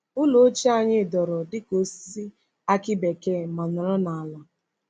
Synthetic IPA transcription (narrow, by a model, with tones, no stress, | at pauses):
ʊ˦lo˨o˦t͡ʃi˦a˦ɲɪ˦˨dɔ˨ɾɔ˨dɪ˦ko˦ssi˦ | a˦kɪ˦be˨ke˦˨ma˨nɔ˨ɾɔ˦na˨a˨la˨